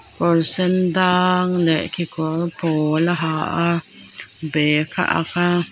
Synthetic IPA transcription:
poɾsend̪aŋleʔkikwapʰolaɦaʔa | beka̰ʔa̰ka

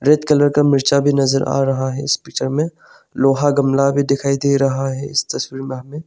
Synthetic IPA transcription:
ɾeːt̪kɐləɾkamɪɾt͡ʃabʱinɐzəɾa̰ːɾɐɦaɦɛɪspeːk̚t͡ʃəɾmẽ | loːɦaɡɐmlabʱid̪ɪkʰaːid̪eɾɐɦaɦɛɪ̰st̪ɐswiːɾmẽɦɐmẽ

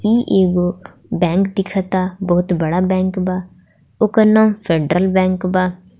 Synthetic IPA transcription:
iːʔeːɡoː | bɛ̃ːŋkd̪ɪkʰat̪aːbɔːʊt̪bəɽaːbɛ̃ːŋkbaː | oːkanãːpʰeːɖɾəlbɛ̃ːŋkbaː

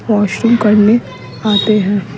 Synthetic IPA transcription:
ʋɔːʃɾɪ̃ŋkɐɾne | aːt̪eɦɛ̃ː

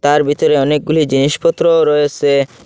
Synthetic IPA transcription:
t̪aɾbʱit̪oɾeɔnek̚ɡulid͡ʑiniʃpɔt̪ːɾoɾɔet͡ɕʰe

